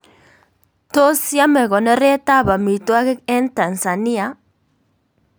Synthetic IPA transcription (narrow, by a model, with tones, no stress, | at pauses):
t̪o˦si˦a˦me˨ɣɔ˨ne˦re˦t̪a˦βa˨mi˨t̪o˦a˦ke˦ke˦nt̪a˨nsa˨ni˦a